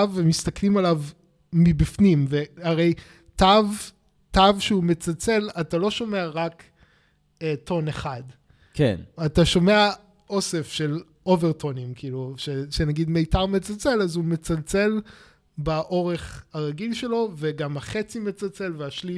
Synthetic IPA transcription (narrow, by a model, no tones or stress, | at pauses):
vemist̪aklimalav | mibifnimveaʁe̞j | tav | tavʃeumet͡salt͡se̞latalo̞ʃo̞me̞aʁak | etʰo̞neχad | kḛnataʃo̞me̞a | ʔo̞se̞fʃe̞l | o̞veʁto̞nimkʰiiːluʃeʃenaɡidmejtaʁmet͡salt͡se̞lazumet͡salt͡se̞l | baʔo̞ʁeχaʁaɡilʃe̞lo̞veɡamaχet͡sime̞t͡salt͡se̞lveaʃli